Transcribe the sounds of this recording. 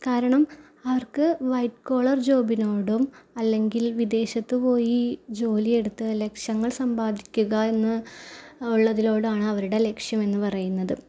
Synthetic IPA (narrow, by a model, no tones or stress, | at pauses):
kaːɾɐɳɐm | ɐʋɐrkɨʋɐjʈko̞ːɭɐrd͡ʑo̞ːbino̞ːɽumɐlːe̞ŋɡilʋid̪e̞ːɕɐt̪ːɨpo̞ːjid͡ʑo̞ːlie̞ɽut̪ːɨle̞kʂjɐŋːɐɭsɐmbaːd̪ʱikʲːuɣɐe̞nːɨ | uɭːɐðilo̞ːɽɨaːɳɨɐʋɐɾuɽe̞le̞kʂjɐme̞nːɨpɐrɐjunːɐðɨ